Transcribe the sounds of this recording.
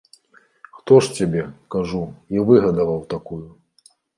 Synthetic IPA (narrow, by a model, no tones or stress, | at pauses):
xt̪ɔʂt͡sʲabʲɛkaʐuivɨɣɐd̪ɐvɐwt̪akuju